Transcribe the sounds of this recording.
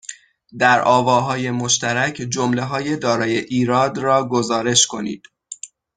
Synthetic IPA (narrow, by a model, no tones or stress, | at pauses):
d̪æɾʔɒːvɒːɦɒːje̞moʃt̪ʰæɾæcʰd͡ʒomle̞ɦɒːje̞d̪ɒːɾɒːje̞ʔiːɾɒːd̪ɾɒːɡo̞zɒːɾe̞ʃkʰo̞nḭːd̪̥